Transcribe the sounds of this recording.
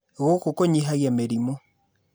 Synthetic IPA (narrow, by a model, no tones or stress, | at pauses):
ɣokokoɲiɦaɣjameɾimo